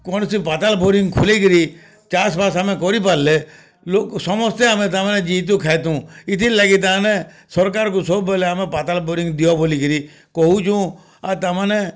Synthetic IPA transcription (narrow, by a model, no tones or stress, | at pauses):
kɔnsipaːt̪aːlboːɾɪ̃ŋɡkʰʊlekɾi | t͡ʃaːsbaːsaːmẽkɔɾipaɾle | loːksɔmɔst̪eaːmẽt̪aːmaːnɛd͡ʒiːt̪̬ũkʰaet̪ũːɪt̪ʰiːlaɡit̪̬aːnɛ | sɔɾkaːɾkusoːbɔleaːmẽpaːt̪aːlboːɾɪ̃ŋɡd̪ijɔboːlikəɾiː | kɔɦut͡ʃʰũː | at̪amãːne